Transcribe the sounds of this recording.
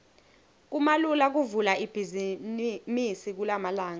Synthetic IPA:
k̬umalulak̬uvulaib̥ʱizimisik̬ulamalaːŋa

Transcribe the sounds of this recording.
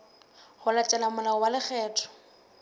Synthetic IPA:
ɣʊlat͡ʃʼɛlamʊlawalɪk͡xʰɛːtʰɔ̥

